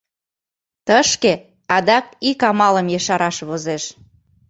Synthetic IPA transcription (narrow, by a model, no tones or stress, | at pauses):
t̪əʃke | ɑd̪ɑk̚ikɑmɑləmjəʃɑɾɑʃβozeʃ